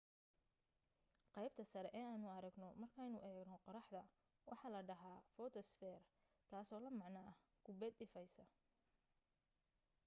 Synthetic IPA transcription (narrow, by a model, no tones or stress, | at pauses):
qɑjb̚t̪ʰɐsɐɾɛʔɛːaːnʊɐɾɐɡnɔmɐrkʰɛjnʊʔɛːɡnɔqɔɾɑħd̪ɐ | wɑ̰ħɑːlɐɖɐɦaːfɔːt̪ʰɔsfɛːr | k̪ʰaːsɔːlɐmɑʕnaːɡ̥ʰʊbɛd̪ɪfɐjsɐ